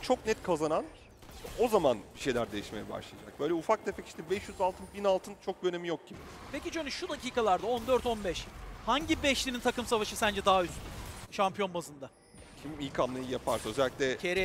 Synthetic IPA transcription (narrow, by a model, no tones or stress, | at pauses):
t͡ʃʰo̞knɛt̪kʰazanan | ʃɛo̞zamanbiʃe̞jlʲæɾd̪e̞jiʃme̞jɛba̰ʃlˠajd͡ʒa̰k̚b̥ø̞jlʲɛufak̚d̪efɛci̥ʃt̪ʰɛbɛʃjyzalˠt̪ɯnbinalˠt̪ʰɯnt͡ʃʰo̞k̚d̪øne̞mijok̚ɟibi | pʰe̞cit͡ʃʰønyʃud̪aciːkalˠaɾd̪ao̞nd̪øɾt̪o̞nbɛʃhaɲɟibɛʃlʲininʰakɯmsavaʃɯsænd͡ʒɛd̪aɦayst̪yʃampijo̞nbazɯnd̪a | cʰimilʲkʰamlˠajɯjapʰaɾsaøzɛlʲːi̥klʲɛcʰeɾɛ